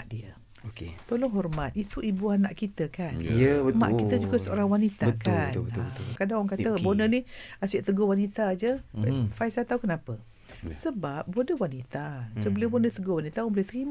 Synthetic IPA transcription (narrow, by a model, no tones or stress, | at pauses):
aʔdiə | oket̪olɔŋɦɔrmat̪̚it̪uibuanaʔkit̪əkanma̰ʔkit̪əd͡ʒuɡasəo̰ɾaŋwanit̪at̪kaakadaŋɔŋkaəbonəniasɪʔt̪əɡowanit̪ad͡ʒəfaisat̪aukənapə | səbap̚bodəwanit̪ad͡ʒəbəlewbonət̪əɡowanit̪aəŋbolet̪əɾima